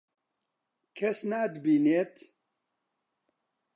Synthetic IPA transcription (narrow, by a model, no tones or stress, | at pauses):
kʰɛsnaːd̪ɨbiːneːt̪